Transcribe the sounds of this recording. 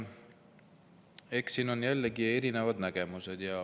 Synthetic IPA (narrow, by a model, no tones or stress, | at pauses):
e̞ksiːno̞njælːeɡie̞ɾine̞vɑd̪næɡ̥e̞muse̞d̪̥jɑ